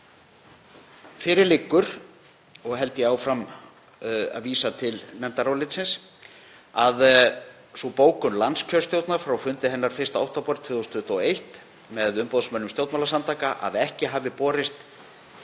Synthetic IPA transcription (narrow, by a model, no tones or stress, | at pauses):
fɪɾɪɾlɪkːʏɾ̥ | ɔɣɦɛlt̪ɪjɛaːwfɾam | a̰ðviːsat̪ʰɪlnɛnt̪aɾawlɪt̪sɪns | að | sɔpoːwkʏnlanscʰœst̪jowt̪naɾ̥fɾawfʏnt̪ɪɦɛnːaɾ̥fɪɾ̥st̪aawht̪apɔɾt̪ʰvʏːðost̪ʏht̪ɔɔejht̪ | mɛðʏmpowðsmœnːʏmst̪jowt̪malasant̪aːkaʔa̰ðɛhcɪɦaːvðɪpɔːɾɪst̪